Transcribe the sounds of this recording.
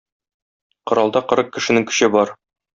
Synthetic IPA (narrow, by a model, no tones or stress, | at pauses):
qŏɾɑlˠd̪ɑqɤ̆ɾɤq̚kɘ̆ʃɘ̆nɘŋkɵ̥̆ɕɘbɒɾ